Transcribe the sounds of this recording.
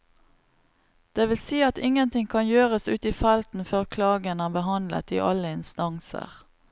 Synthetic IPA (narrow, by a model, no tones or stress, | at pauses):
d̪̥eːʋɪlsiːɑt̪ɪŋːənt̪ʰɪŋkʰɑnjøːʁəsʉ̰ːt̪iːfɛlt̪n̩føːʁkʰlɑːɡənəːbəɦɑnlə̰t̪ḭːʔɑləɪnst̪ɑŋsə̰ʁ